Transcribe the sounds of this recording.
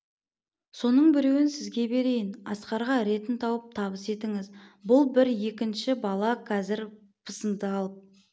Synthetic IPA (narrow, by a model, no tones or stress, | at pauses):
so̞nəɴbɪɾe̞wɪnsɪzɡʲe̞be̞ɾe̞jɪnɑ̰sqɑɾʁɑɾe̞t̪ɪnt̪ʰɑwəp̚t̪ʰɑbəse̞t̪ɪŋɪzbʊlˠbɪɾje̞kʲɪnʃɪbɑlˠɑqʰɑzɪɾ | pʰəsənd̪əɑlˠəp̚